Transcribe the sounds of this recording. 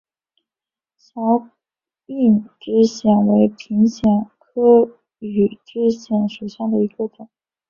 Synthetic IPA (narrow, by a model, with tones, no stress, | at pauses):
ɕjɑ˧˥ʊ | y˥˩nʈ͡ʂɻ̩˥ɕjɛ˨˩nwe˧˥ɪpʰi˧˥ŋɕjɛ˨˩nkʰɤ˥ | y˨˩ʈ͡ʂɻ̩˥ɕjɛ˧˥˩nʂo˨˩ʊɕjɑ˥˩ŋd̪ə˩i˧˥ɡə˧t̪jɛ˨˩˦